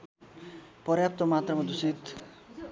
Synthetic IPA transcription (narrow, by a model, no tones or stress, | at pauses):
pʌɾjap̚t̪omat̪rʌmʌd̪usit̪